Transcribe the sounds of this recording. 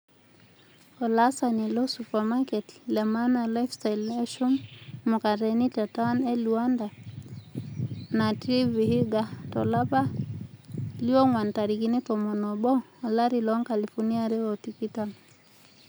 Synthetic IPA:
ɔ˨lasani˨lɔ˦supa˨ma˦kɛ˨tlɛ˨ma˦na˨la˦jfstajlɛ˦ʃu˦mːu˨ka˨ɾɛni˦ta˨ta˦nɛ˦liwa˦nda˨ | na˨tɾi˦vihi˦ɡa˨tɔlaba˦ | liɔ˦ŋwa˨nta˨ɾikinɛ˦tɔ˨mɔ˨nɔbɔː˦˨laɾilɔŋka˨lifuni˦aɾɛ˦ɔtiki˦tan

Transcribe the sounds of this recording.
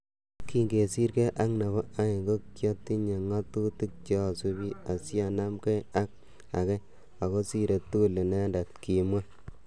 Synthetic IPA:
ki˦ŋɡe˨si˦ɾke˦ʔa˦kne˨βɔ˦a˦i˨ŋɡo˦kjɔ˦tːi˦ɲe˨ŋa˦tu˦ti˦k̚t͡ʃɔ˦˨su˦bi˦a˨sja˨na˦mke˦a˦k̚ | a̰˨ke˦ | a˨ko˦si˦ɾe˨tu˦u˦˨li˨ne˦nda˨tki˨mwa˦

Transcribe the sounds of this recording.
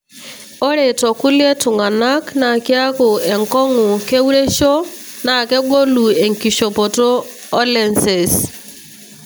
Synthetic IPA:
ɔ˦ɾe˨tɔ˨ku˦li˦e˦tʊ˨ŋa˨na˦kna˨kɪ˦a˦kʊ˨ɛ˨ŋ˨kɔ˦ŋʊ˨ke˦wu˦ɾe˦ʃo˦ | na˨kɛ˦ɡo˦lu˨e˨ŋki˨ʃo˨pɔ˨toː˦ | lɛ˨nsɛ˨s

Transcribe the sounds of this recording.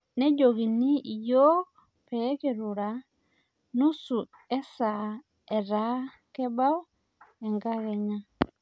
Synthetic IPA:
nɛ˦ɟo˨ɣi˨ni˦i˨jɔ˦ | pɛ˦kɛ˨ɾu˨ɾa˨ | nu˦su˨ | ɛ˦sa˨ | ɛ˨ɾa˦ | kɛ˦ba˦ɔ˦ | ɛ˨ŋɡa˦ɣɛ˨ɲa˦

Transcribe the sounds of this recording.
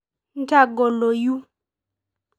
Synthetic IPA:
n̩˦ta˦˨ɡɔ˨lo˨ju˦

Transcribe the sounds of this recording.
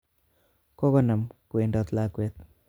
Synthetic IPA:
kɔ˦kɔ˦na˨mku˨e˨ndɔ˨t̪la˦kwe˦t̪̚

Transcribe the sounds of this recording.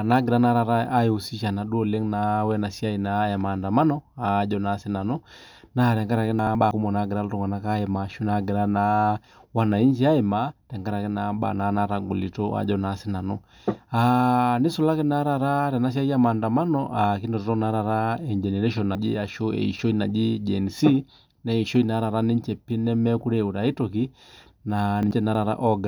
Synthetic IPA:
na˨˦ɡɛ˨ɾa˦na˦ɾa˨ɾa˦a˦ɛ˨u˨si˦ʃa˨na˨ɗu˦ɔ˨lɛ˦ŋna˨wɛ˦na˨si˦a˦i˨na˨˦ja˨maː˨nda˨ma˦nɔa˨˦d͡ʒɔ˦na˦sɛ˦na˨nɔ˦na˦˨ɾɛ˨ŋɡa˦ɾa˨kɛ˦naɓa˨ku˦mɔ˨na˨˦ɡɛ˨ɾa˦lɔ˦tɔ˦ŋɡa˨na˦ka˦ɛ˨maʃu˦na˦ɡɛ˨ɾa˦na | wa˨na˨i˦ɲd͡ʒi˦a˦ɛ˨ma˦tɛ˨ŋɡa˦ɾa˨kɛ˦na˨ɓa̰˨na˨na˦ɾa˨ŋɡṵ˨li˨tɔ˦a̰˨d͡ʒɔ˦na˦sɛ˦na˨nɔ˦ | ani˦sɔ˨la˦kɛ˦na˦ɾa˨ɾa˦tɛ˨na˦s̬a˦i˦a˦ma˨nda˨ma˦nɔ̰ʔa˨ki˦ndɔ˨tɔ˨tɔ˦na˨˦ɾa˨ɾa˦ɛ˨ɲd͡ʒɛ˨nɛ˨ɾɛ˦ʃɔ˨na˨d͡ʒi˦a˨ʃo˦ɛ̰˨i˨ʃo˦i˦na˨d͡ʒi˦d͡ʒɛ˨nsi˦ | nɛ˦i˨ʃo˦i˦na˨˦ɾa˨ɾa˦ni˦ɲ˦t͡ʃɛ˨pi˦nɛ˦mɛ˦ku˦ɾɛ˨u˨ɾa˨i˦tɔ˨ki˦ | na˨ni˨ɲt͡ʃɛ˦na˨˦ɾa˨ɾa̰˦ʔɔ˦ɡa˨

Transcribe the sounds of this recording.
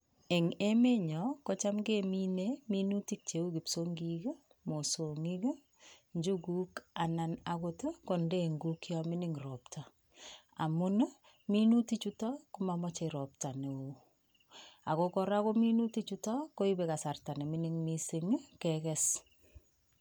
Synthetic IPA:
e˨ŋe˦me˦ɲɔko˦t͡ʃa˦mɡemi˦neminu˦ti˦k̚t͡ʃe˨u˦ki˨psoŋɡike˦ | mo˨so˨ŋi˦k | ɲd͡ʒu˦ku˦ka˨nana˨koto˦ko˨ndeŋɡukjɔmɪ˦nɪŋrɔptʰa˨ | a̰˨mʊ˦n | mi˦nu˦ti˦t͡ʃu˦tɔ˦ku˦mamɔ˦t͡ʃe˨ɾɔ˨pta˨ne˨o˨ | a˨kokɔɾa˦ko˦mi˦nu˦ti˦t͡ʃu˦tɔ˦ko˦i˦beka˨sarta˨ne˨mɪnɪŋmisi˦ŋ˦kɛkɛs

